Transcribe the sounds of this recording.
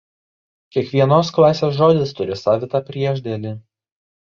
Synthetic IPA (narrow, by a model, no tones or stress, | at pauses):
kʲiɛkʋʲiɛnoːsklˠɑːsʲeːsʒoːd̪ʲɪst̪ʊɾʲɪsɑːʋʲɪt̪ɑpʲɾʲiɛʒʲd̪ʲɛlʲɪ